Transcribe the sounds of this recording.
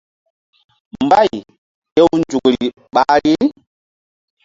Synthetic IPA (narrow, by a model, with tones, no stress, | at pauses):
mba˦˨j | je˦wnd͡ʒu˨kɾi˨ | ɓa˦ɾi˦